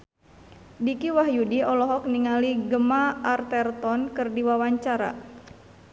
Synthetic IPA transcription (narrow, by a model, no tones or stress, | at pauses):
dikiwahjudiɔlɔɦɔk̚niŋaliɡəmaart̪ɛrt̪ɔnkɨrdiwawaɲt͡ʃaɾa̰